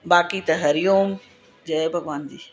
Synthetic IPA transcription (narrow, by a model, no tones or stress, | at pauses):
baːkit̪ɐɦɐɾjoːm | d͡ʑɐebʱɐɡʋaːnd͡ʑiː